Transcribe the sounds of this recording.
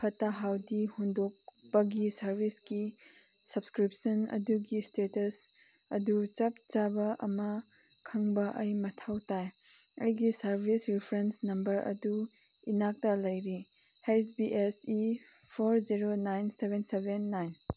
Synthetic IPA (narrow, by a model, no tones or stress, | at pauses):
pʰɐtaɦawdihundok̚bɐɡisɐɾbʱisɡi | sɐbskɾip̚sɐnɐ̰duɡistetɐs | ɐdut͡ʃap̚t͡ʃabɐʔɐ̰mɐ | kʰɐŋbɐʔɐjmɐtʰawtaj | ɐjɡisɐɾbʱisɾipʰɾensnɐmbɐɾɐ̰du | inak̚tɐlɐjɾi | hesbiʔesipʰoɾziɾonajnsebensebenːajn